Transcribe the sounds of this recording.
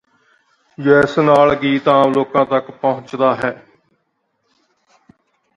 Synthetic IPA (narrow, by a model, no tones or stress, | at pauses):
jɛːsnaːlɡiːt̪ãːloːkãːt̪əkpəɦʊ̃t͡ʃd̪aːɦɛː